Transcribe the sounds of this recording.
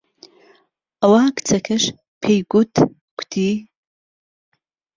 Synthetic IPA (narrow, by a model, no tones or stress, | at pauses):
ɐwaːkʰt͡sʰɐkʰɐʂ | pʰejɡʷutʰ | kʷʰtʰiː